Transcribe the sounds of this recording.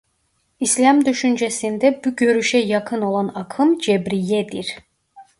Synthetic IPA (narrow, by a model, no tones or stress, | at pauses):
islʲamd̪yʃynd͡ʒesind̪ɛbuɟø̞ɾyʃɛjɑkʰɯno̞lˠanɑkʰɯmd͡ʒebɾijɛd̪iɾ̥